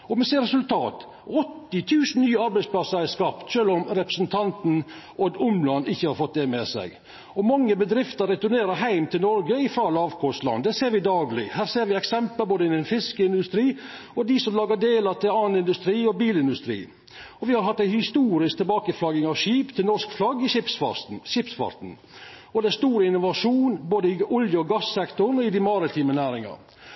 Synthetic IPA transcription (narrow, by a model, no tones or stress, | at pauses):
ɔmɛseːɾɛsʉlt̪ʰɑːt̪ | ɔt̪ːɪt̪ʰʉːsn̩nyːəɑɾbæɪtspʰlɑsəɾæskɑpt̪ʃøːlɔmɾɛpɾəsn̩t̪ʰɑnt̪n̩ | ʔɔɡʊmlɑnːɪçːəhɑɾfɔt̪̚d̪ɛmɛsæ̰ɪɡ | ɔmɑŋːəbəd̪ɾɪft̪əɾɛt̪ʊneːɾəɾɦæɪmt̪ʰɪlnɔɾɡəɪfɾɑːlɑːʋkʰɔslɑ̰nːd̪ɛseːɾʋɪd̪ɑːɡlɪ̰hæːɾseːɾʋɪɛksɛmpləboːd̪əɪnɛnfɪskəɪnd̪ʉst̪ɾiː | ɔd̪ɪsɔmlɑːɡəɖeːlɑt̪ʰɪlɑːnɪnd̪ʉst̪ɾiːɔbiːlɪnd̪ʉst̪ɾḭː | ɔʋɪhɑɾɦɑt̪ːæɪhɪst̪uːɾɪskt̪ʰɛlbɑːkəflɑɡɪŋɑʋʃiːpt̪ʰɪlnɔskflɑɡːɪʃɪpsfɑ̰ɾt̪n̩ʃɪpsfɑ̰ɾt̪n̩ | ɔd̪æst̪uːɾəɪnʊʋɑʂuːnboːd̪əɪʔɔljəɔɡɑsːɛkt̪ʊɳɔɪd̪ɪmɑɾɪt̪ʰiːmənæːɾɪŋɑ̰